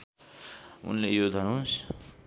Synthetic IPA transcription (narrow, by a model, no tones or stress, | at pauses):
ṵnlejod̪ʱʌnus